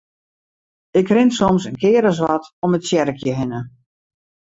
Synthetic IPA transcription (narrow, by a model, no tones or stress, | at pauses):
ɪkrɪnsɔmsənkʰɪːɾəz̬ʋatɔmətsjɛɾəkʰjəɦɪnə